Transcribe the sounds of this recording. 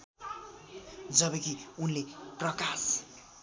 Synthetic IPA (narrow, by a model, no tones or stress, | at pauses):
d͡zʌbʌkiunleprʌkas